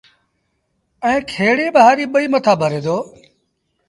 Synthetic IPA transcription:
ɛ̃ːkʰeːɽeːɓəɦaːɾiːɓəiːmət̪ʰaːbʱəɾẽːd̪oː

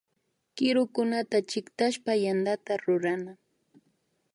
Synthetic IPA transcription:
kɪɾʊkʊnat̪at͡ʃɪkt̪aʃpajand̪at̪aɾʊɾana

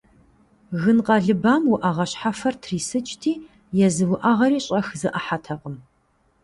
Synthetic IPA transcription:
ɣɨnqɐɮɨbaːmwʊʔɐʁɐɕħafɐrtʰriːsɨt͡ʃʼtʰiː | jɛzɨwʊʔaʁɐɾiːɕʼɐxzɨʔɐħatʰɐqʼəm

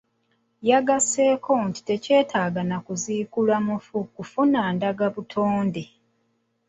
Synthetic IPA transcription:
jaɡase̞ːkʰo̞nti̥te̞ce̞ːtʰaːɡanakuziːkulwamufukufunaːndaɡaβutʰoːnde

